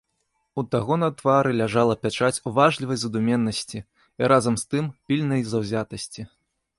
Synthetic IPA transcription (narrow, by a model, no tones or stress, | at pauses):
ut̪aɣɔnɐt̪vaɾɨlʲaʐalˠɐpʲat͡ʂat͡sʲuvaʐlʲivɐjzɐd̪umʲɛnːɐsʲt͡sʲi | iɾʔazɐmst̪ɨmpʲilʲnɐjzɐwzʲat̪ɐsʲt͡sʲi